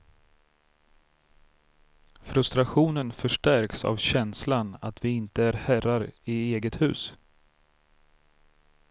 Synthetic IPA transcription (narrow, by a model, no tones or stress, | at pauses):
fɾɵst̪ɾaɧuːnənfœʂʈæɾksa̰vɕɛnslanat̪vɪɪnt̪əæɾhæraɾɪeːɡət̪hʉ̟ːs